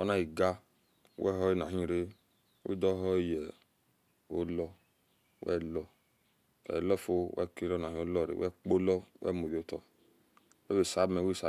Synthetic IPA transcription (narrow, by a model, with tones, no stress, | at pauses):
ɔ˦na˦i˨ɡa˦ | wɛ˦˨ɦɔ˦i˦na˨ɦĩ˦˨ɾe˦ | wḭ˦dɔ˦ɦɔ˦i˦jɛ˨ | o˦lɔ˧ | wɛ̰˦˨lɔ˧ | ɛ̰˨lɔ˦fo˦wɛ̰˦ke˦lɔ˦˨na˨ĩ˨˦o˦lɔ˦˨ɾḛ˨wɛ˦k͡po˦lɔ˦wɛ̰˦˨mo˨jo˨˦tɔ˧ | wɛ˦be˨sa˨˦mɛ˨we˦sa˦